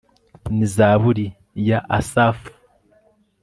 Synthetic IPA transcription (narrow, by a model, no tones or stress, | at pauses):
nizaːβuɾi | jaʔasafu̥